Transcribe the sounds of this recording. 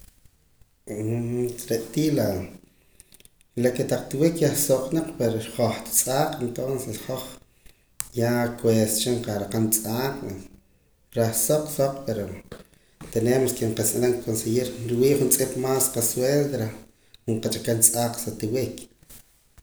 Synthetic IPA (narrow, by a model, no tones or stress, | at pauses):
ɾeʔt̪iːla | laket̪aq͡χt̪wikjaχsoqnaq͡χpeɾoɾχoχt̪t͡sʼaːqʼent̪onsesχoχ | jakwest͡ʃiɴqaɾaqant͡sʼaːqʼa | ɾaχsoq͡χsoqpeɾo | t̪eneːmaskeɴqat͡sʼalaŋkkonsejiɾɾwiːʔχunt͡sʼipmaːsqasweld̪ɾa | χuɴqat͡ʃʼakant͡sʼaːqsat̪iwik